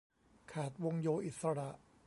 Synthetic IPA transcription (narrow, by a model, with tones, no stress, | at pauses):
kʰaː˨˩t̪̚wo˧ŋjoː˧ʔi˨˩t̪̚sa˧ɾa˨˩ʔ